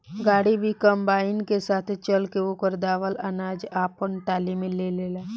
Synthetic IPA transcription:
ɡaːɽibʱikə̃mbaːɪnkesaːt̪ʰt͡ʃɐlkeʋokəɾd̪aːʋəlɐnaːd͡ʒaːpənʈaːlimẽleleːlaː

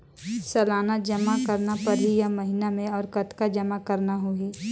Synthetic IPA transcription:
sɐlaːnəd͡ʒɐmakɐɾnapɐɾɦijamɐɦɪnamẽɔːɾkɐt̪kad͡ʒɐmakɐɾnaɦuiː

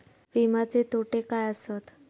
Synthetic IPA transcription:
ʋimat͡set̪ʰoʈekajəsət̪

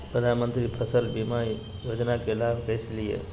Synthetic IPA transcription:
pɾəd̪ʱanmənt̪ɾipʰəsəlbima | jod͡ʒnakelabʱkəslijḛ

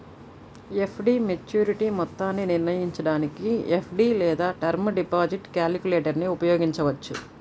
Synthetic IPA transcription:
epʰɖiːmet͡ʃjuːɾiʈimɔt̪ːaːnːiniɾnɐjiɲt͡ʃɐɽaːnikiepʰɖiːlɛːd̪aːʈɐɾmɖipaːd͡ʒiʈkjaːlikuleːʈɐɾniupɐjoːɡiɲt͡ʃɐʋɐt͡ʃːu

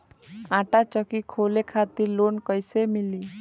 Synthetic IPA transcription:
ãʈat͡ʃəkikʰolekʰat̪iɾlonkɔjsemili

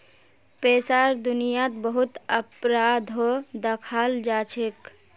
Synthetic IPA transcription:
peːsaɾd̪ʊnijat̪bəɦut̪əpɾad̪ʱɦod̪əkʰald͡ʒat͡ʃʰek

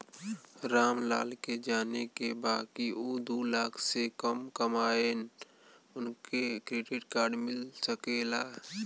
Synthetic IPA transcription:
ɾaːmla̰ːlked͡ʒaːnekebaːkiod̪uːlaːkʰsekəmkəmaːeːn | ʊnkekɾeɖɪʈkaːɾɖmɪlsəkeːlaː

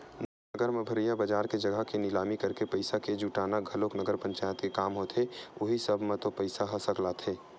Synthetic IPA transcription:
n | nəɡəɾmẽbʱəɾijabəd͡ʒaːɾked͡ʒɐɡʱəkenɪlaːmikɐɾkepɐɪsaked͡ʒuːʈaːnaɡʱɐloːknəɡəɾpə̃ɲt͡ʃaːjət̪kekaːmɦoːt̪ʰeoɦisəbʱmẽt̪opəɪsaɦɐsəklat̪ʰeː

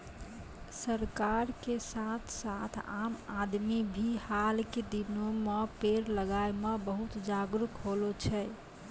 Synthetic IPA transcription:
səɾkaɾkesat̪ʰsat̪ʰamad̪mibʱihalked̪inomepeɾləɡaemebəɦut̪d͡ʒaɡɾukɦolot͡ʃʰɛ

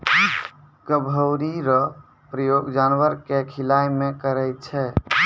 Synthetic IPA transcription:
ɡəbʱəwɾiɾɔ | pɾəjoɡd͡ʒanwəɾkekʰilajmekəɾɛjt̪̚t͡ʃʰɛ

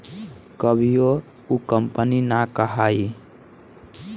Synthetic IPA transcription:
kəbʱijo | ukəmpəninakəɦai

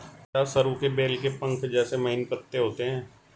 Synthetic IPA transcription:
kaːsəɾukebeːlkepə̃ŋkʰd͡ʒɛːsemɐɦɪnpət̪ːeɦoːt̪eɦɛ̃ː

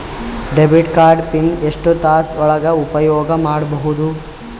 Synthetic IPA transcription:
ɖebiʈkaːɾɖpineʂʈut̪aːsɔɭɐɡɐupɐjɔːɡɐmaːɽbɐɦud̪u

